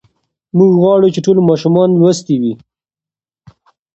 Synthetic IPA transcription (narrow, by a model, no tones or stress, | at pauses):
muɡɣwɑɽut͡ʃeʈolmɑʃumɑnlwəst̪iwi